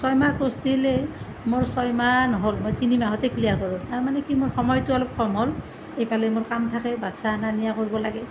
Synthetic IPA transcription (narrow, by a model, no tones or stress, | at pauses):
sɔjmakosdile | moɹsɔjmanɔɦolmojtinimaɦɔtekʰlijaɹkɔɹũtaɹmanɛkimoɹxɔmɔjtʊalɔp̚kɔmɦol | ejpalɛjmoɹkamtʰakɛbatsananijakoɹibɔlaɡɛ